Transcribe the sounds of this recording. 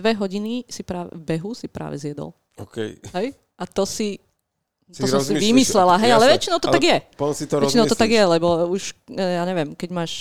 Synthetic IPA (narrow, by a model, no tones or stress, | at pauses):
ʋɛɦɔɟinisipɾaːvbɛɦusipɾa̰ːʋɛ̰zjɛd̪ɔ̰l | ɔkɛ̰jɦɛj | at̪ɔsi | t̪ɔsɔmsiʋimislɛlaɦɛjalɛʋɛt͡ʃinɔʊt̪ɔt̪aɡjɛsit̪ɾɛt͡ʃinɔʊt̪ɔt̪aɡjɛlɛbɔuʃjaːɲɛʋɪjɛmkɛɟmaːʃ